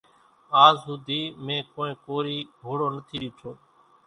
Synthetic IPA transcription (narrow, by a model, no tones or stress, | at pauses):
aːzɦʊd̪ʱiːmẽːkoːẽːkoːɾiːɡʱoːɽoːnət̪ʰiːɗiːʈʰoː